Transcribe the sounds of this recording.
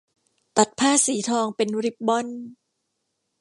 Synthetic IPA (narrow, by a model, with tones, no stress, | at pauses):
t̪a˨˩t̪̚pʰaː˥˩siː˩˦t̪ʰɔː˧ŋpe˧nɾi˦˥p̚bɔ˥˩n